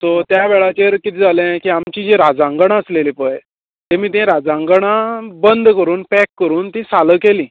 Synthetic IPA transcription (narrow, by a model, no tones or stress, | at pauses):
t̪ot̪jaʋeɭat͡ɕeɾkit̪ʰiːd͡zalẽkiamt͡ɕĩd͡ʑeɾad͡zãŋɡəɳ̃aəslelipəj | t̪emiːt̪ɛ̃ɾad͡zãŋɡɳãbənd̪ʱkəɾuːnpɛkːəɾuːnt̪ĩsaləkelĩː